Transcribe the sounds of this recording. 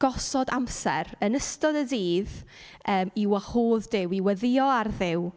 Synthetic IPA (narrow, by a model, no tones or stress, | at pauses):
ɡ̥ɔsɔdamsɛ̰ɾənəstɔdədiːð | əːmiwahoːðdɪwiwəðɪɔarðɪw